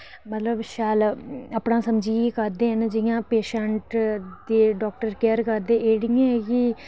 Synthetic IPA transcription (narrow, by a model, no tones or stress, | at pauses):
mət̪ləbʃaːləpnãːsəmd͡ʒiːikəɾd̪eːɦənd͡ʒɪjãːpeːʃɛɳʈd̪eːɖɔːk̚ʈəɾkɛːɾkəɾd̪eːeːɽɪjãːɛːkɪ